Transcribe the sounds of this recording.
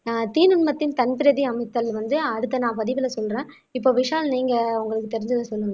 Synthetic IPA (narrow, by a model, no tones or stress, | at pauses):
nãːt̪iːnʊnmɐt̪ːɪnt̪ɐnpɪɾɐðiɐmɐɪt̪ːɐlʋɐnd̪ɯɐɽɯt̪ːɐnãːpɐðɪʋɪlɐsɔlɾẽː | ɪpːoːʋɪʂaːlniːŋɡɐʊŋɡɐɭɯkːɯt̪ɛɾɪɲd͡ʒɐðɯsɔlːɯn